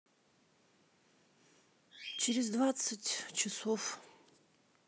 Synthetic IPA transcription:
t͡ɕɪɾʲɪzd̪vat̪sɨtʲt͡ɕɪsof

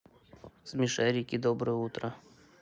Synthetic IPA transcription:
zmʲɪʂɛɾʲɪkʲid̪obɾɨjəut̪ɾə

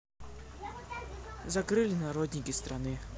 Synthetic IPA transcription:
zɐkɾɨlʲɪnɐɾod̪ʲnʲɪkʲɪst̪ɾanɨ

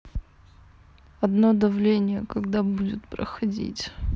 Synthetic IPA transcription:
ɐd̪nod̪ɐvlʲenʲɪjəkɐɡd̪abudʲɪt̪pɾə̰xɐdʲḭtʲ

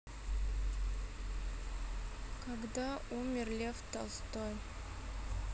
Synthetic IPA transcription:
kaɡd̪aumʲɪrlʲeft̪ɑst̪oj

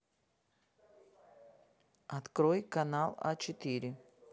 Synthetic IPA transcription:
ɐt̪kɾojkanalˠa̰t͡ɕɪt̪iɾʲɪ

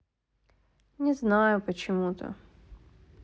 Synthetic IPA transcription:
nʲɪznajʊpət͡ɕɪmut̪ə̰

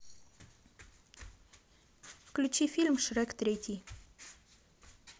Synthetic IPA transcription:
fklʲut͡ɕifʲilʲmʃɾɛkt̪ɾʲet̪ʲi

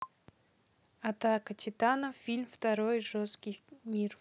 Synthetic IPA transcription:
ɐt̪akətʲʰɪt̪anəfʲilʲmft̪ɐɾojʐoskʲɪjmʲir

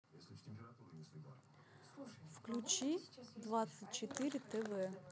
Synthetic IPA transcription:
wklʲut͡ʃid̪ʋɑt̪sɐt̚ʲt͡ʃet̪ɪɾʲɪt̪ɛʋɛ

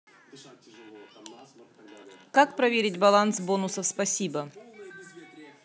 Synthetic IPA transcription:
kakpɾɐvʲeɾʲɪtʲbɐlˠansbo̞nʊsəfspɐsʲibə

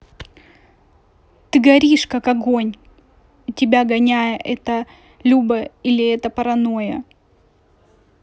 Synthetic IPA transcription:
t̪ɨɡɐɾʲiʂkakɐɡo̞nʲ | tʲɪbʲaɡɐnʲæjəʔɛt̪ə | lʲubəilʲɪɛt̪əpəɾɐno̞jə̰

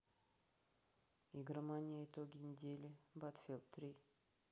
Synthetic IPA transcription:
iɡʲɪrmanʲɪjəɪt̪oɡʲɪnʲɪdʲelʲɪbat̪fʲelˠt̪ɾʲi

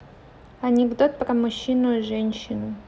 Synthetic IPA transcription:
ɐnʲɪɡd̪ot̪̚pɾɐmʊɕːinʊiʐɛnʲɕɪnʊ

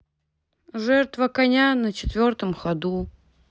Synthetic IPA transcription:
ʐɛrt̪vɐkɐnʲanət͡ɕɪt̪vʲort̪əmxɐd̪u

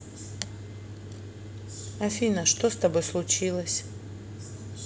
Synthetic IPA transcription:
ɐfʲinɐʂt̪ost̪ɐbojslˠʊt͡ɕilˠəsʲ

